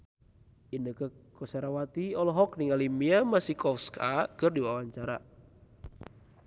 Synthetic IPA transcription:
inəkəkɔsaɾawat̪iɔlɔɦɔk̚niŋalimiamasikɔfskʰakərdiwawaɲt͡ʃaɾa

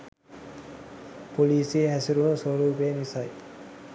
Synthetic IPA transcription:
poliːsiɦæsiɾunuswoɾuːbeːnisɐj

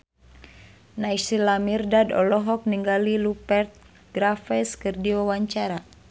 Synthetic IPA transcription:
najsilamirdadɔ̰lɔɦɔk̚niŋɡalilupɛrt̪̚ | ɡ̥ɾafɛskɨrdiwawaɲt͡ʃaɾa

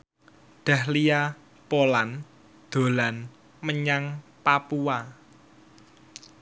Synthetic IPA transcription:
d̪̥a̤hlija | polan | d̪̥o̤lan | məɲaŋpapuwa

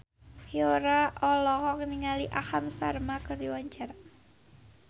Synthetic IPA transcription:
hioɾaʔɔlɔhɔkniŋaliʔahamsarmakərdiwaɲt͡ʃaɾa

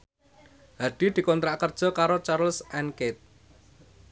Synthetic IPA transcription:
haɖ̪̥i̤d̪̥i̤kɔnt̪ɾaʔkərd̥ʒ̥ɔ̤kaɾot͡ʃaɾlsʔɛnket̪̚

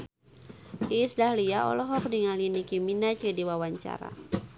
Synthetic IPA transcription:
ʔisdahliaɔ̰lɔɦɔk̚diŋalinikiminat͡ʃədiwawaɲt͡ʃa̰ɾa̰

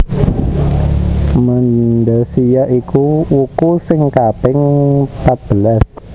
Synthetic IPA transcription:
mənɖəsijaʔikuwukusɪŋkapɪŋpat̪̚b̥əlas

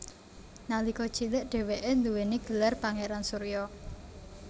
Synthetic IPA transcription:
nalikɔd̥t͡ʃiləʔɖ̥ɛ̤weʔend̪uweniɡ̥ə̤larpaŋeɾansuɾjɔ

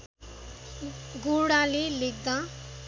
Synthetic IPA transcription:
ɡoːɽãːlelek̚d̪ã

